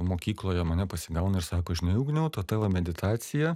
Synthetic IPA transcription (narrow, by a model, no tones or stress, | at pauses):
moːkʲiːklˠoːjɛmɐnʲɛpɐsʲɪɡɐʊnɐɪɾsɑːkoːɐʃʲnʲɛʊːɡnʲɛʊt̪oːt̪ɑːʋɐmʲɛd̪ʲɪt̪ʰɑːsʲɪjɛ